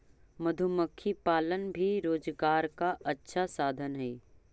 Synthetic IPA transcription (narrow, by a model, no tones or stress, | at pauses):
mɐd̪ʱʊməkʰːipaːlənbʱiɾoːd͡ʒɡaːɾkaɐtːʃʰasaːd̪ʱənɦɛː